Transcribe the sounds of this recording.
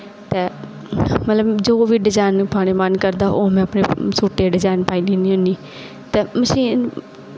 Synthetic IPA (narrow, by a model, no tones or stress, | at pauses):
t̪eː | mət̪ləbd͡ʒoːʋiːɖɪzaːɪnpʰaːɽeːmənkəɾd̪aːʔoːmɛ̃ːəpneːsuːʈeːɖɪzaːɪnpaːiːniːnĩːɦʊ̃niː | t̪eːməsĩː